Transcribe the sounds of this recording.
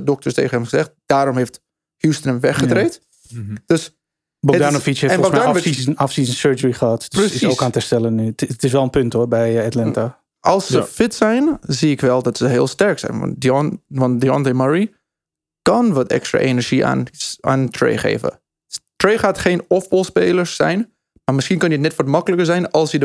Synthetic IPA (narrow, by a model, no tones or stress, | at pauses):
dɔk̚təsteːχəɛmχəzɛχt̚d̥aːɾɔmɦeft | hustənəmʋɛχətreːt | d̥øs | bɔdnofishefɛboɡdaafsizənsøːɹd͡ʒəɹiχəatprəssiowkaːntəstɛlənytɪsʋɛlˠənpøntoːɹbɛjatlɛnta | ʔɑlˠsːəfɪtsɛjnziɪkʋɛlˠdɔtsəɦɪːlˠstɛɹksɛ̰jn̰dʋɑntdjɔndəmaɹi | kɑnʋɔtɛ̰kstra̰ːʔenəɹʒia̰na̰ːntrḛjχḛːvə̰ | treːχaːtχejnɔfbɔlˠspeːləɹsːɛ̰jn | maːɹmɪsχiənkønjətnɛtʋɔtmɑkələkəɹzɛjnɑlˠsjəd